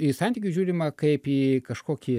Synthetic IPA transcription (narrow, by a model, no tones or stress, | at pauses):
isɐnʲt̪ʲiːkʲuʒʲuːɾʲimɐkɐɪpiːkɐʃkoːkʲi